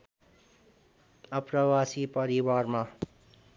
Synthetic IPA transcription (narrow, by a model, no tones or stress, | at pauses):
ʌpɾʌwasipʌɾiwaːɾma